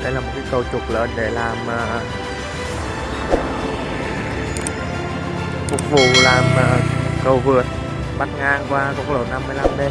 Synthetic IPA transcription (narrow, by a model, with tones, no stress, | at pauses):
ɗə˧˦jlaː˨˩mo˨˩t̚ki˨˦jkə˨˩wt͡ɕʊ˨˩k͡p̚ləː˨˦nɗe˧˩laː˨˩mʔəː˨˩ | fʊ˨˧˩k̚fu˨˩laː˨˩mʔəː˨˩kə˨˩wvɨ˨˩ət̚ | ɓa˧t̚ŋaː˧ŋkwaː˧ko˧˩k̚lo̰˧˩t̚na˧mːɨ˧əjla˧mɓe˧